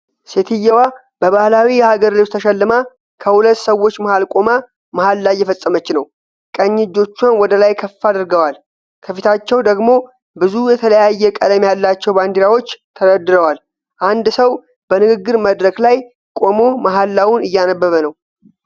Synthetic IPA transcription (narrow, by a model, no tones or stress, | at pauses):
set̪ʰɨjːɛwa | b̥əβahlawijɛhaɡəɾliwt̪ʰəʃɛlːɨma | kʰəhulət̪ːsəwːo̞t͡ʃːmahalkʼo̞ma | mahalːajɛfəsʼːəmət͡ʃːnəw | kʼəɲːɪd͡ʒːo̞t͡ʃːanwɔd̪əlajkʰəfːad̪ɨɾɡəwal | kʰəfit̪ʰat͡ʃːɛwd̪əɡmo̞ | bɨzujɛt̪ʰələjajːɛkʼələmjalːat͡ʃːɛwband̪iɾawo̞t͡ʃːt̪ʰəɾəd̪ːɨɾəwal | ʔand̪səw | b̥ənɨɡɨɡːɨɾməd̪ɾəklaj | kʼo̞mo̞maɦalːawunɨjːanəbːəβənəw